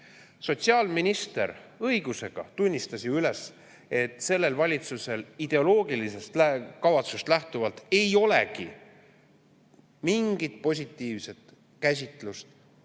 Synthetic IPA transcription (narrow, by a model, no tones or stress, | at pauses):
so̞t̪siɑːlminist̪e̞̰ɾɤiɡ̥use̞ɡ̥ɑ̰t̪unʲːist̪ɑsiyle̞s | e̞t̪ːˑse̞lːe̞lvɑlʲit̪suse̞lid̪̥e̞o̞lo̞ːɡilise̞st̪lækɑvɑt̪sust̪læht̪uvɑlt̪ːˑe̞jo̞le̞̰kḭ | miŋɡ̥it̪̚po̞s̬ʲit̪ˑːiːvse̞t̪ | kæsʲit̪ˑlust̪